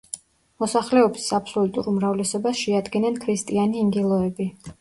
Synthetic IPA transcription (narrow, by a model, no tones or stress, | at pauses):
mɔsaχlɛɔbisapʰsɔlut̪ʼṵɾumɾavlɛsɔbasʃɛad̪ɡɛnɛnkʰɾist̪ʼianiːŋɡilˠɔɛbi